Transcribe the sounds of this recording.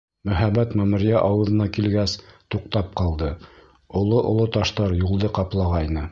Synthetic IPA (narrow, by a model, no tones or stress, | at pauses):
mɵ̆ɦæbæt̪mæmɘ̆ɾijæʔɑwɤ̆ðɤ̆nɑkilɡæst̪uq̚t̪ɑp̚qɑlˠd̪ɤ | ŏlˠoʔŏlˠot̪ɑʃt̪ɑɾjulˠd̪ɤqɑplˠɑʁɑjnɤ